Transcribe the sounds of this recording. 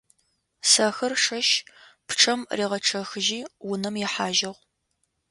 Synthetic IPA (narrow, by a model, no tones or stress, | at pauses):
sɐxɐrʂɐʃpʈ͡ʂʰɐmriːʁɐʈ͡ʂʰɐxɨʒiːwʊnɐmjɛħaːʒɪʁʷ